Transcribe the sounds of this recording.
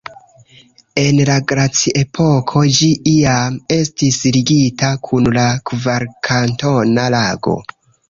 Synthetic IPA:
e̞nlaɡɾat͡sie̞pʰo̞kʰo̞d͡ʒiʔiame̞stisliɡitakʰunlakvaɾkʰanto̞nalaɡo̞̰

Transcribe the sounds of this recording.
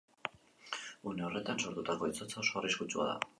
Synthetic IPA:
une̞o̞re̞t̪anso̞ɾt̪ut̪ako̞it͡sot͡sao̞so̞ariskut͡ʃua̰ða̰

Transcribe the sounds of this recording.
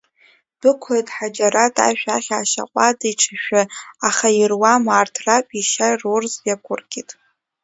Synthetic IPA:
b̥ɨkʷʰatʼħad͡ʒaɾatʼa̰ʃᶣaχʲaːʃa̰qʷʼadajʈ͡ʂʰɨʃᶣaaχairwamaːrtʰrapʼiʃajrurzjakʷʰʊrɡʲʼitʼ

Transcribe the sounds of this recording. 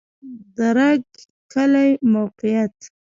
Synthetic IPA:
d̪aɾaɡ | kalajmawqɪjat̪

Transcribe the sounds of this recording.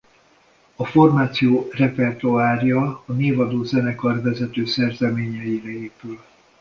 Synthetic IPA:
ɒfo̞rmaːt̪sijoːrɛpɛrt̪oaːrjɒːneːvɒd̪oːzɛnɛkɒrvɛzɛt̪øːsɛrzɛmeːɲɛjiɾɛeːpyl

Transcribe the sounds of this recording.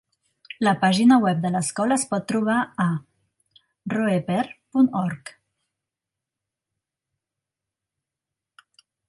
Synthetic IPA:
ləpaʒinəwɛp̚d̪ələskɔləspɔt̪ːɾuβ̞aə | roepɛɾpunɔɾk

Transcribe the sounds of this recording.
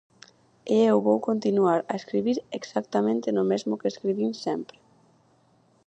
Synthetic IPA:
eewβowkont̪inuaɾa̰eskɾiβiɾeksakt̪amẽnt̪enomezmokeeskɾiβinsɛmpɾe

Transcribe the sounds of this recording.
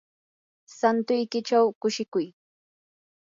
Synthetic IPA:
sant̪ʊjkɪt͡ʃawkʊʃɪkʊj

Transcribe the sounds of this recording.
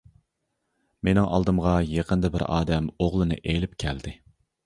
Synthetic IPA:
menɪŋʔɑ̰lˠd̪ɨmʁɑjeqʰənd̪ɨbɪɾɑ̰ːd̪ɛmoʁlˠɨnɨ̰ʔelɪp̚kʲʰɛld̪ɪ

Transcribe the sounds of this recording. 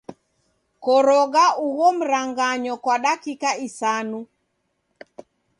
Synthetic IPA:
kɔɾɔɣauɣɔm̩ɾaŋɡaɲɔkwaɗakikaisanu

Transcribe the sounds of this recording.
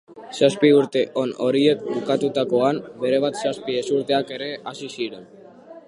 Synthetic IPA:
saspiuɾt̪e̞ʔo̞no̞ɾie̞kbukat̪ut̪ako̞ambe̞ɾe̞β̞at̪saspie̞suɾt̪e̞ake̞ɾe̞asisiɾen

